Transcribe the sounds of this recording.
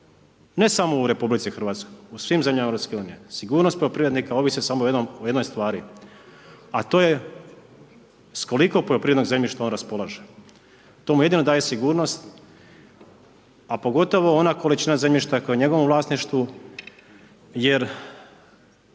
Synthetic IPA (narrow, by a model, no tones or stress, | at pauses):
ne̞samo̞uɾe̞publit̪sixrʋaːt̪skojjusʋiːmzemʎʲamaeɾopske̞uːnijesiɡuːɾnost̪po̞ʎo̞pɾiʋɾed̪nikao̞ʋisesamoojenomoje̞d̪nojst̪ʋaːɾi | at̪oːje̞ | sko̞likopoʎopɾiʋed̪noɡzemʎʲiʃt̪ao̞nɾaspo̞lˠaʒe | t̪omuje̞d̪ino̞d̪aːje̞siɡuːɾno̞st̪ | apo̞ɡo̞t̪o̞ʋo̞onakolit͡ʃinaze̞mʎʲiʃt̪akojeɲe̞ɡo̞ʋomʋlˠaːsniʃt̪ʋu | je̞ɾ